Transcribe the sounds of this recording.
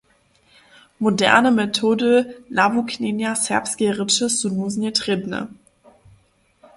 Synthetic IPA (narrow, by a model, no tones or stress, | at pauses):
modɛ̰ɐnəmetʰoːdəlabukʰneːnjasɛɐpsɡ̥eʁɪt͡ʃəsunuznetʁ̥ebnə̰